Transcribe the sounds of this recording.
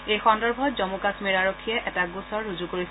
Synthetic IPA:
ejxɔndɔɹbʱɔtzɔmukasmiɹaɹokʰːijɛʔɛtaɡusɔɹːuzukoɹis

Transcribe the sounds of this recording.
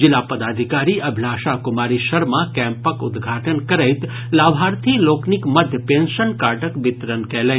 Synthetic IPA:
d͡ʒɪlapəd̪ad̪ʱikaɾiəbʱlaʃakʊmaɾiʃəɾmãkɛ̃mpəkʊ̰d̪ɡʱaʈənkəɾejt̪ | laʋʱaɾt̪ʰiloknikməd̪ʱjəpẽnʃənkaʈəkʋɪt̪ɾənkɛle

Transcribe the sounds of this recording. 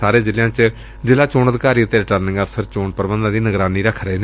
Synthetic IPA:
aːɾeːd͡ʒɪljãːt͡ʃ | zɪlaːt͡ʃoːnəd̪ɪkaːɾiːʊt̪ːeːɾɪʈəːɾnɪ̃ŋɡɛbsəɾt͡ʃoːɳpəɾbə̃nd̪ãːd̪iːnəɡɾaːniːɾəkʰɾəeːne

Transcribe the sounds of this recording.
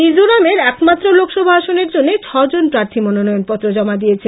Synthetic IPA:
id͡ʑoɾameɾɛkmat̪ːɾolokʃɔbʱaaʃoneɾd͡ʑonːet͡ɕʰɔd͡ʑonpɾaɾt̪ʰimɔnonɔjonpɔt̪ːɾod͡ʑɔmad̪ijet͡ɕʰe

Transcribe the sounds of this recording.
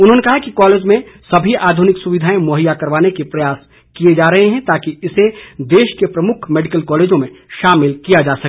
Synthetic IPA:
ʊnɦõnekɐɦakikɔːleːd͡ʒmẽsɐbʱiʔaːd̪ʱʊnɪksʊʋɪd̪ʱaːẽmoːɦɪjakɐɾʋaːnekipɾɐjaːs | kied͡ʒaːɾɐɦeɦɛ̃t̪aːkiɪsed̪eːʃkepɾɐmʊkʰmeːɖɪkəlkɔːleːd͡ʒõmẽʃaːmɪlkijad͡ʒaːsɐ

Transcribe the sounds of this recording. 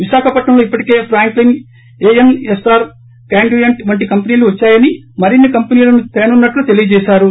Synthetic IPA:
ʋiʃaːkʰɐpɐʈɳɐmloːipːɐʈi̥ke̞ːpʰɾaːŋklin | eːenesaːɾ | kaːɳɖujɐɳʈʋɐɳʈikɐmpɐniːluʋɐt͡ʃːaːjɐnimɐɾinːikɐmpɐniːlɐnut̪eːnunːɐʈːlut̪e̞lijɐd͡ʒɛːʃaːɾu

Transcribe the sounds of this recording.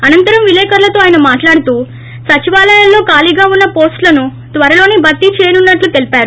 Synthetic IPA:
ɐnɐnt̪ɐɾɐmʋilɛːkɐɾlɐt̪o̞ːaːjɐnɐmaːʈlaːɽut̪uː | sɐt͡ʃiʋaːlɐjɐlːo̞ːkaːliɡaːunːɐpo̞ːsʈlɐnu | t̪ʋɐɾɐlo̞ːnibɐt̪ːit͡ʃeːnunːɐʈlut̪e̞lipaːɾu

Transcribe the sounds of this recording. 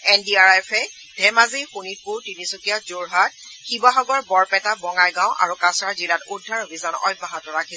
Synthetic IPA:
ɛndiaɹajfʰɛ | dʱɛmazixunit̚pʊɹtinisukijazoɹɦat̚xibaɦɔɡɔɹbɔɹpɛtabɔŋajɡãʊ̃ʔa̰ɹukasɹaɹzilatudʱːaɹobʱizanɔ̰jbaɦatɔɹakʰe

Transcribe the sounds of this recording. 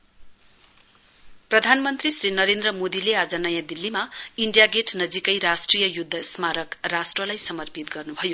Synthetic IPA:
prʌd̪ʱanmʌnt̪risɾinʌɾend̪rʌmod̪ilead͡zʌnʌjãd̪ilːimaiɳɖjaɡeʈnʌd͡zikʌjɾasʈrijʌjud̪ʱːʌsmaɾʌkrasʈrʌlajsʌmʌrpit̪̚ɡʌrnubʱʌjo

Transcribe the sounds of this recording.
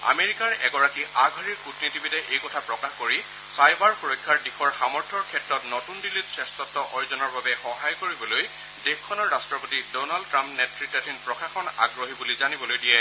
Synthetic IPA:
a̰meɹikaɹɛ̰ɡɔɹakiʔaɡʱaɹiɹkutnitibitɛʔejkɔtʰapɹɔkaxkoɹi | sajbaɹxuɹojkʰːaɹdixɔɹxamɔɹtʰɔɹkʰɛtɹɔtnɔtundilitsɹɛstɔtːɔʔɔjzɔnɔɹbabɛxɔɦajkoɹibɔloj | dexkʰːɔnɔɹːastɹɔpotidɔnaldtɹampnɛtɹitːatʰinpɹɔkaxɔna̰ɡɹoɦibulizanibɔlojdijɛ

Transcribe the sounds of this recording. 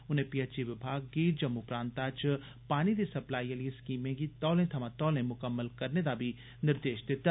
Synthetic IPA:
ʊnẽpiət͡ʃiʋɪbʱaːɡ̚ːiːɾd͡ʒɐmːupɾãːnt̪at͡ʃ | paːnid̪esɐplaːiəliɪskiːmẽɡit̪ɔːlẽt̪ʰɐmãt̪ɔːlẽmʊkəmːəlkɐɾned̪abʱi | nɪɾd̪eːʃd̪ɪt̪aː

